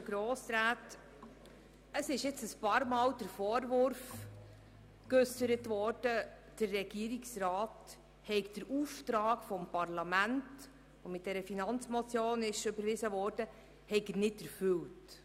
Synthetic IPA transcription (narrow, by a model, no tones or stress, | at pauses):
ɡɾoːsɾaːt | əsɪʃjɪt͡səspɑːɾmɑːld̥əɾfɔːɾʋʊɾf | kʏsəɾətʋɔːɾd̥ə | d̥əɾːɛɡ̥iːəɾiksɾɑːt | hɛɪkd̥əɾuːft̪ɾɑːkfɔmpɑɾlɑmænt | ɔmɪt̚d̥ɛɾəfinɑnt͡smɔt͡sjoːnɪʃʏbəɾvɪzəʋɔːɾd̥ə | hɛɪɡənɪtɛɾfʏlt